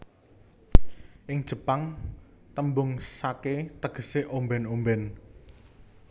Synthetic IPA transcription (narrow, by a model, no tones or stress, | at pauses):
ʔɪŋd̥ʒ̥ə̤paŋ | t̪əmbʊŋsaket̪əɡ̥ə̤seʔombɛnombɛn